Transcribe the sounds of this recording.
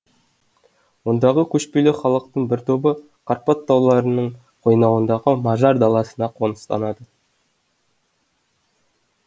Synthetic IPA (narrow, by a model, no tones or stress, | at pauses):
wo̞nd̪ɑʁəkʲʰɵʃpelɪχɑlˠəq̚t̪əɴbɪɾt̪ʰo̞bə | qʰɑɾpɑt̪ːɑwlˠɑɾənəɴ | qʰo̞jnɑwənd̪ɑʁəmɑʒɑɾd̪ɑlˠɑsənɑqʰo̞nəst̪ɑ̰nɑd̪ə